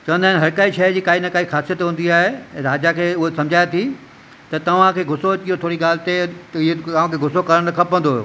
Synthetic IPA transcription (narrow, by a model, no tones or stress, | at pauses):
t͡ɕɐʋə̃nd̪aːɪnɦɐɾkaːiʃɐd͡ʑiːkaːinakaːixaːsijət̪ɦũːnd̪iaːɦẽɾaːd͡ʑakʰeːʊɦosɐmd͡ʑʱaːet̪ʰi | t̪ɐt̪ɐʋ̤ãkʰeːɡʱʊsoiot̪ʰoːɾiɠaːl̤ɪt̪eɪeɐʋãkʰeɡʱʊsokɐɾəɽ̃nɐkʰɐpə̃nd̪oːɦo̰ː